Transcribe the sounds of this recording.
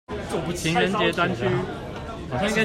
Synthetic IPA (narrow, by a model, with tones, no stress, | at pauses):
o˥˩pu˨˥t͡ɕʰi˨˥ŋɻə˧˦nt͡ɕjɛ˧˥t̪wa˥˦nt͡ɕʰy˥˧ | xɕjɑ̃˥˧ĩ˥k